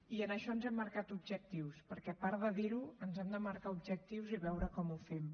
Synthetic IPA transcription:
iənəʃɔnzɛmːəɾkat̪ubʒək̚t̪iwspəɾkɛpaɾðəðiɾuənzɛmd̪əməɾkaubʒək̚t̪iwziβɛwɾəkɔmufɛm

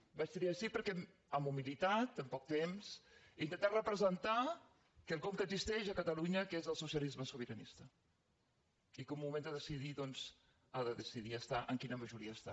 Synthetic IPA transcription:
bat͡ʃt̪iɾiəʃipəɾkɛm | əmumilit̪at̪əmpɔk̚t̪emsint̪ənt̪arəpɾəzənt̪a | kəlˠkɔmkəɡzist̪ɛʃəkət̪əluɲəkezəlˠsusjəlizməsuβəɾənḭst̪ə | ikumumend̪əðəsiðiðɔnz̥ | aðəðəsiðiəst̪aʔəŋkinəməʒuɾiəːst̪a̰

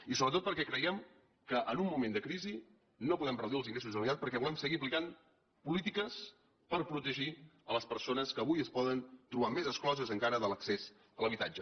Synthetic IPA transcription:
isoβɾət̪ot̪̚pəɾkɛkɾəjɛm | kəʔənumːumẽnd̪əkɾizi | nopuðɛmrəwðiəlˠziŋɡɾes̬uzðəlnit̪at̪pəɾkɛβulɛmsəɣiəpliɣan | pulit̪ikəs | pəɾpɾut̪əʒiələspəɾsonəskəːβujəspɔðənt̪ɾuβamezəsklɔzəzəŋkaɾəðələksez | ələβ̞it̪a̰d͡ʒə

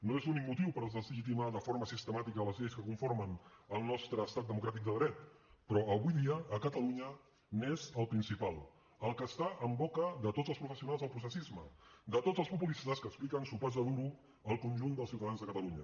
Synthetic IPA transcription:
noezunikmut̪iwpəɾəzðəziʒit̪imaðəfoɾməsist̪əmat̪ikəːləzʎejskəkuɱfoɾmənəlˠnɔst̪ɾəːst̪at̪̚d̪əmukɾat̪̬ik̚d̪əðɾɛt̪pɾɔəβujðiəːkət̪əluɲə | nezəlˠpɾinsipalˠ | əlˠkəst̪aʔəmbɔkəðət̪od͡zəlˠspɾufəsiunalˠzðəlˠpɾus̬əsizməd̪ət̪od͡zəlˠspupulist̪əskəksplikənsupɔzðəðuɾu | əlˠkunʲʒund̪əlˠsiwt̪əðanzðəkət̪əluɲə

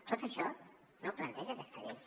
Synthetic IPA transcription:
t̪ot̪əʃɔ | noplɐnt̪ɛʒəkest̪əɾe

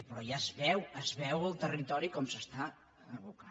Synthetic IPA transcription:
pɾɔjazβɛwəzβɛwəlˠt̪ərit̪ɔɾikɔmsəst̪a | əβuka

